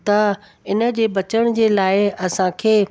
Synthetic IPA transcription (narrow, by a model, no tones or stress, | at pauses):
t̪ɐ | ɪnə̆d͡ʑeːbɐt͡ɕəɽ̃d͡ʑeːlaːɪɐsãkʰeː